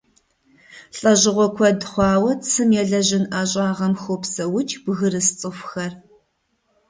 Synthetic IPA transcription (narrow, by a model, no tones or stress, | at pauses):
ɬʼɐʑɪʁʷɔkʷʰɔdχʷɑːwɐt͡sʰɨmjɛɮɐʑɪnʔaːɕʼɑːʁɐmxʷopsɐwʊt͡ʃʰʼbɣɨɾɨst͡sʼɨfxɐr